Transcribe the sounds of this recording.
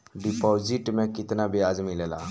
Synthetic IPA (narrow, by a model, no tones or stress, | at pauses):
ɖipɔd͡ʒiʈmẽkit̪nabiad͡ʒmilela̰